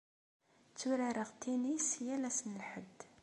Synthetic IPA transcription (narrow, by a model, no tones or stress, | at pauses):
t͡sːuɾæɾəʁt̪inisjælæsnəlħəd̪ː